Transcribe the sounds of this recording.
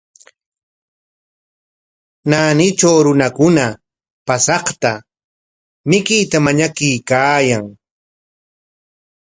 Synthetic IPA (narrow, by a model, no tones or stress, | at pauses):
naːnɪt͡ʃawɾʊnakʊna | pasɑχt̪a | mɪkɪjt̪amaɲakɪjkaːjaŋ